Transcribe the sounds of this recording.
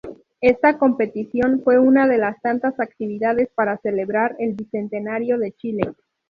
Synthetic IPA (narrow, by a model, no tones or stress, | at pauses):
e̞st̪ako̞mpe̞t̪isjo̞nfwe̞unaðe̞last̪ant̪asak̚t̪iβiðaðe̞spaɾase̞le̞βɾaɾe̞lβise̞nt̪e̞naɾjoðe̞t͡ʃile̞